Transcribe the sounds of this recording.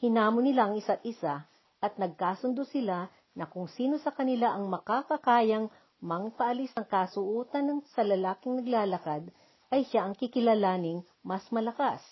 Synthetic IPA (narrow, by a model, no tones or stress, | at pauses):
hɪnaːmonɪlaʔɐŋɪsat̪̚ɪsa | ʔɐt̪̚nɐɡ̚kaːsʊnd̪osɪla | nɐkʊŋsiːno̞sɐkɐnɪlaʔɐŋmɐkakɐkaːjɐŋ | mɐŋpɐʔɐlisɐŋkasʊʔuːt̪ɐnɐŋsɐlɐlaːkɪŋnɐɡlaːlɐkad̪̚ | ʔɐjʃaʔɐŋkɪkɪlalaːnɪŋ | mɐsmɐlɐkas